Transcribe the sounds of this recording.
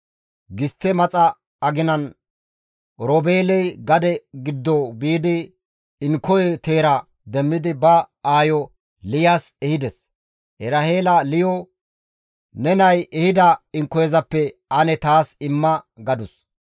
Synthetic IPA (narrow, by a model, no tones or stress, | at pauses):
ɡɪst̪ːɛmɐt͡sʼɐː | ɡɪnɐn | ɾɔbeːlɛjɡɐd̪ɛɡɪd̪ːɔbiːd̪ɪː | ŋkɔjɛt̪e̞ːɾɐ | d̪ɛmːɪd̪ɪbɐaːjɔ | lɪjaːsɛhɪd̪ɛs | ʔɛɾaheːlɐlɪjɔ | nɛnɐjɛhɪd̪ɐɪŋkːɔjɛzɐpːɛɐnɛt̪aːsɪmːɐɡɐd̪ʊs